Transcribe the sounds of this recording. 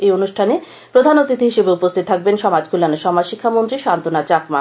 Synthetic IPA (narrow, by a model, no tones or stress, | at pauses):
ejonuʃʈʰane | pɾod̪ʱanot̪ɾit̪eɦiʃebeupost̪ʰit̪t̪ʰak̚benʃɔmad͡ʑkulaneʃɔmad͡ʑʃikʰːamont̪ɾiʃant̪onat͡ɕakma